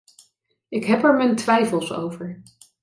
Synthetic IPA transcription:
ɪkɦɛpɛɹməntʋɛjfəlˠso̰wvəɹ

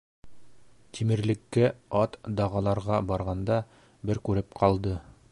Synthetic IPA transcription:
t̪ʲʰimɘ̆ɾlɘ̆kːɘɑt̪d̪ɑʁɑlˠɑɾʁɑbɑɾʁɑnd̪ɑ | bɘɾkʉɾɘp̚qʰɑlˠd̪ɤ

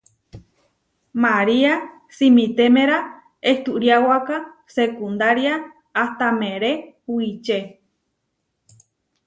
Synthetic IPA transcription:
maɾia | simĩt̪emeɾa | eht̪uʔɾjawaka | sekund̪aɾjaː | ht̪amẽɾeuwit͡ʃe

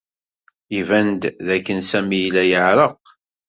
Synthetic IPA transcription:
ivænd̪ðækːənsæmijlæjəʕɾəq

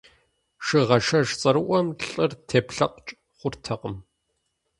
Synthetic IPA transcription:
ʂɨʁɐʂɐʂt͡sʼɐɾɨʔʷɔmɬʼɨrtʰeːpɬɐqt͡ʃʼ | χʷʊrtʰɐqəm

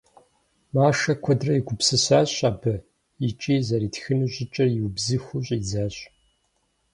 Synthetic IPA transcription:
maːʂɐkʷʰɔdrɐjɪɡʷʊpsɨsaːɕʼaːbɐ | it͡ʃʼiːzɐɾiːtxɨnuɕʼɪt͡ʃʼɐrjɪwbzɨxʷuɕʼiːzaːɕʼ

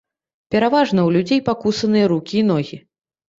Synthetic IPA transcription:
pʲɛɾavaʐnɐwlʲud͡zʲejpakusɐnɨjɐɾukʲiːnɔɣʲi

